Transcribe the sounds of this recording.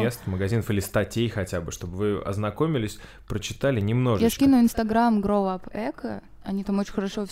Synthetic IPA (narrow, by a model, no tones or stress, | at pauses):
est̪məɡɐzʲinəfilʲɪst̪ɐtʲejxɐtʲabɨʂt̪o̞bɨvɨɐ̰znɐko̞mʲɪlʲɪsʲ | pɾət͡ɕɪt̪alʲɪnʲɪmno̞ʐjakʲinʊɪnst̪ɐɡɾamɡɾoapɛkə | ɐnʲit̪amot͡ɕɪ̥nʲxəɾɐʂof